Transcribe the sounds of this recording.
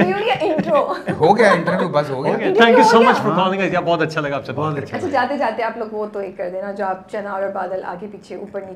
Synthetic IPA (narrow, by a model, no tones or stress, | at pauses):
juːɽijaʔɪ̃ɳʈɾoɦoːɡɐjaɪ̃ɳʈəɾʋjuːbɐsɦoːɡɐjaɡat̪ʰɛ̃ːŋkjusoːmɐt͡ʃfɔɾkɔːlɪ̃ŋɡɐd͡ʒabɔːt̪ɐtːʃʰalɐɡaːpsɐbbɔːt̪ɐʃʰaɐtːt͡ʃʰʃʰad͡ʒaːt̪ed͡ʒaːt̪eẽaːploːɡʋoːt̪õeːkːɐɾd̪eːnad͡ʒoːaːp̚t͡ʃɐnaːɔːɾɔɾbaːd̪əla̰ːkepiːt͡ʃʰeʊpəɾni